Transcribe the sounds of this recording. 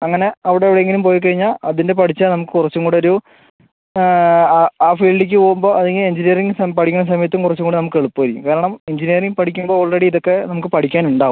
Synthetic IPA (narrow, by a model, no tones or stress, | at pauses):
ɐŋːɐne̞ɐʋiɽeɐʋiɽeeŋɡilumpo̞ːjik̬ɐɻiɲːaːlɐðinde̞pɐʈʰit͡ɕːɨnɐmukːɨkurɐt͡ɕːuŋɡuːɳɖoɾu | aːfiːlɖik̬ʲːɨoːumboːɐðɐŋːɡileɲd͡ʑinijɐriŋɡɨsɐpɐʈʰikʲːunːɐs̬ɐmɐjɐt̪ːumkurɐt͡ɕːuŋɡoːɳɖɨnɐmukːɨeɭupːɨʋɐɾikʲːṵmkaːɾɐɳɐmeɲd͡ʑinijɐriŋɡpɐʈʰikʲːumboːoːɭreɽiiðokːe̞nɐmukːɨpɐʈʰikʲːaːnuɳɖaːʋum